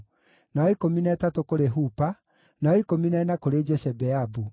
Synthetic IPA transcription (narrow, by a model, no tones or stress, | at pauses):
naɔikominaɛtatokoɾeɦupa | naɔikominaɛnakoɾed͡ʒɛsɛbɛabu